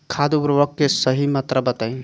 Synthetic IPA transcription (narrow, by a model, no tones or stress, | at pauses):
kʰad̪ubɾʋəkːesəɦimət̪ɾəbət̪əj